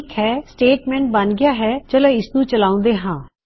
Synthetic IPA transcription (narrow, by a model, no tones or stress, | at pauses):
khɛːsʈeːʈmɛ̃ːɳʈ̚bənɡɪjaːɦɛːt͡ʃəlẽːɪsnũːt͡ʃəlaːʊ̃nd̪eːɦãː